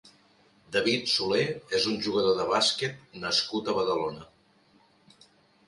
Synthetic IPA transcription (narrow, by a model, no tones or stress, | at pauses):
d̪əβit̪suleezunʲʒuɣəðoðəβasket̪̚nəskut̪əβəðəlonə